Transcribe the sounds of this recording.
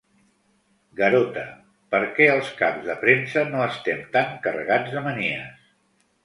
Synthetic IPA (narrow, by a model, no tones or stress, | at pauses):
ɡəɾot̪ə | pəɾkɛəlˠskabzðəpɾensənoəst̪ɛmt̪aŋkərə̰ɣad͡zðəməniə̰s